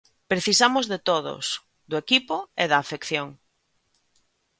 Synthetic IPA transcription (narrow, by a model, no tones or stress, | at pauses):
pɾeθisamozðet̪oðo̰s | ðʊekipoeðaːfekθjoŋ